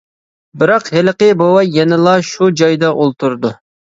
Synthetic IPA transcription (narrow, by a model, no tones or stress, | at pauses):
bɪɾɑqhɪləqəbowɑjɛnɪlˠɑʃud͡ʒɑjd̪ɑʔolˠt̪ʰuɾd̪u